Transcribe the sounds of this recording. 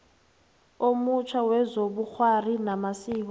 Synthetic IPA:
omut͡ʃʰwawɛzoɓuk͡xʰwarinamasiːk̬ɔ

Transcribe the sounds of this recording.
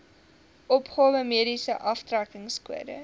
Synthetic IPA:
ʔɔpχoːvəmiədisəʔɐftrækəŋskuədə̰

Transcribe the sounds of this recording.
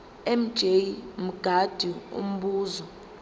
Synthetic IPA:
ɛm̩d̥ʒ̥ʱejm̩ɡ̥ʱad̥ʱiṵm̩ɓuːzɔ

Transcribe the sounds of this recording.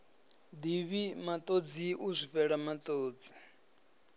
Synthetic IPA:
d̪iβimat̪ʼod͡ziʔuzʷiɸɛɺamat̪ʼoːd͡zi̥

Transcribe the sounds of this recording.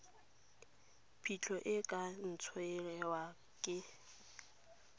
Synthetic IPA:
pʰit͡ɬʰɔʔɪkʼan̩t͡sʰɔɛlɛwa | kʼɪ

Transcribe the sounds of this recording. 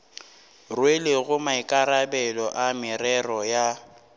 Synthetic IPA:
rweleɣʊmaɪkʼaɾabɛlɔʔamɪrɛrɔja

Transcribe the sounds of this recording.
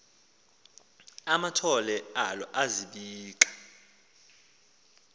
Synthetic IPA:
amatʰɔlɛalɔʔaziɓiːk̬ʼḁ

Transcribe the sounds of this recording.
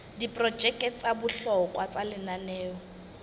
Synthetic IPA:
dipʼrɔd͡ʒɛkʼɛt͡sabʊɬɔkʼwat͡sʼalɪnanɛːɔ

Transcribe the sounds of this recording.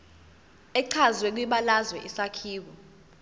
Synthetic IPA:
ɛǀʰazwɛk̬wiɓalazwɛʔisakʰiːɓɔ

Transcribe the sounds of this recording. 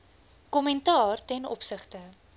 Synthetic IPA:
kɔmɛntɑːrtɛnɔ̰psəχtə

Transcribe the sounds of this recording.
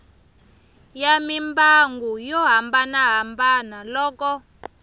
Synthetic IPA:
jamimbaŋɡujɔɦambanaɦambanalɔːkɔ

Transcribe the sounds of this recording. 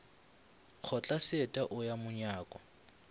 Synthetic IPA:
k͡xʰɔt͡ɬʼasɪɛtʼaʔʊjamʊɲaːkʼɔ

